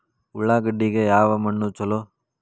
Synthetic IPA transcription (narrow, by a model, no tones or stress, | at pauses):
uɭːaːɡɐɖːiɡejaːʋɐmɐɳːut͡ʃɐlo